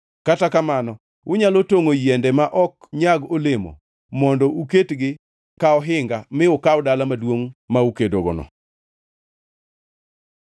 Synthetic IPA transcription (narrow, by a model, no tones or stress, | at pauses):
katakamanɔ | ʊɲalotoŋojɛndɛmaʔɔkɲaɡolɪmo̰ | mɔndɔuketɡɪ | kaɔɦɪŋɡamɪʊkawdalamadwoŋmaukedoɡɔ̰nɔ̰